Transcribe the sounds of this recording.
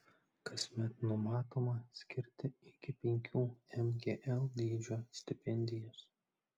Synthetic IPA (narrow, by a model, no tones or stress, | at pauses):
kɐsʲmʲɛt̪nʊmɑːt̪oːmɐsʲkʲɪɾʲt̪ʲɪɪkʲɪpʲɛŋʲkʲuːɛmɡʲeːʔɛlˠd̪ʲiːd͡ʒʲoːsʲt̪ʲɪpʲɛnʲd̪ʲɪjɛs